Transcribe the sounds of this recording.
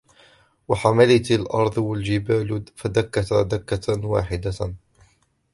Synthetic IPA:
waħamalɪt̪alʔɑɾˤd̪ˤwald͡ʒɪbaːlfad̪akːat̪ad̪akːawa̰ːħɪd̪a

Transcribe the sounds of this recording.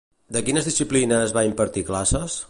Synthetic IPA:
d̪əkinəzðisiplinəzβaimpəɾt̪iklasəs

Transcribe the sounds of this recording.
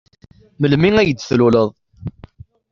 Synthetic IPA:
məlmiŋæjəd̪ːθluləðˤ

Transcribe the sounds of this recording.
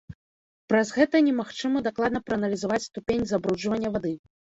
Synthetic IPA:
pɾɐzɣɛt̪ɐnʲɛmaxt͡ʂɨmɐd̪aklˠad̪nɐpɾɐːnɐlʲizavat͡sʲst̪upʲenʲzabɾud͡ʐvɐnʲːɐvad̪ɨ

